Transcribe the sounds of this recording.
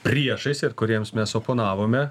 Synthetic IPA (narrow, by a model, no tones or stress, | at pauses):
pʲɾʲiɛʃɐɪsɪɾkʊɾʲiɛmsmʲɛsoːpoːnɑːʋoːmʲɛ